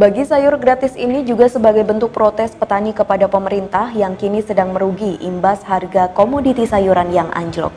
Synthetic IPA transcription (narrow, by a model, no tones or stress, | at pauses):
baɡisajʊrɡɾat̪ɪsinid͡ʒuɡasəbaɡajbənt̪ʊk̚pɾot̪ɛspət̪anikəpadapəməɾint̪ahjaŋkinisədaŋməɾuɡiʔimbasharɡakomodit̪isajuɾanjaŋa̰ɲd͡ʒlɔ̰k̚